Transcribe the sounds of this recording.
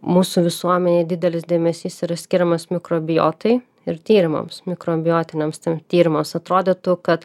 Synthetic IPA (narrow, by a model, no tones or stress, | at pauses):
muːsuʋʲɪsuɔmʲɛnʲeːd̪ʲɪd̪ʲɛlʲɪsd̪ʲeːmʲɛsʲiːsiɾɐsʲkʲɪɾʲɛmɐsmʲɪkɾoːbʲɪjo̰ːt̪ɐɪ | ɪɾt̪ʲiːɾʲɪmɐ̰msmʲɪkɾoːbʲɪjoːt̪ʲɪnʲɛmst̪ʲemt̪ʲiːɾʲɪmɐmsɐt̪ɾoːd̪ʲet̪ukɐt̪